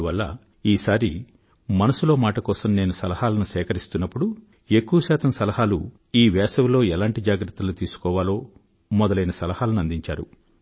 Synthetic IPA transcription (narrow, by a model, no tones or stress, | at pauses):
ʋɐlːɐ̰ | iːsaːɾi | mɐnɐsulo̞ːmaːʈɐkɔːsɐmne̞ːnusɐlɐhaːlɐnusɛːkɐɾist̪unːɐpːuɽu | ekːuwɐʃɛːt̪ɐmsɐlɐhaːlu | iːʋɛːsɐʋulo̞ːɛlaːɳʈid͡ʒaːɡɾɐt̪ːɐlut̪iːsu̥kɔːʋaːlo̞ː | mɔd̪ɐlɐjnɐsɐlɐhaːlɐnuɐnd̪iɲt͡ʃa̰ːɾṵ